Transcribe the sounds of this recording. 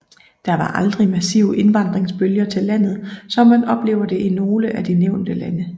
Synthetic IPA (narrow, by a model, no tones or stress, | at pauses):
d̥ɑ̈ʋɑ̈ʔɑ̈ld̥ʁimæsiʊʔe̝nʋɑ̈nd̥ʁeŋsb̥øljɐt͡sʰe̝lːæn̰ð̩ˠsɒ̽mːænʔɒ̽b̥le̝̰ːʊɐd̥e̝ʔino̝ːləʔæd̥ineʊ̰nd̥əlænə